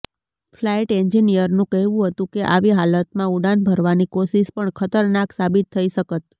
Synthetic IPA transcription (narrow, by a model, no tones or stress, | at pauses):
flajʈɛɲd͡ʒinijəɾnũkəɦʋũɦət̪ũkeʔa̰ʋiɦalət̪mãuɽanbʱəɾʋanikoʃiʃpəɳkʰət̪əɾnaksabit̪ʰːəiʃəkət̪̚